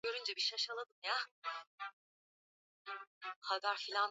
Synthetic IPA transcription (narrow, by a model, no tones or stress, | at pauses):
ø̞ɾynd͡ʒɛbiʃaʃalˠad̪ɯmja | haɡ̪aɾfilʲan